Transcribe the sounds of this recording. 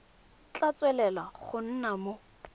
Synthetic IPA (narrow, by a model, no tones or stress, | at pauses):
t͡ɬat͡sʼwɛlɛlaχʊn̩namo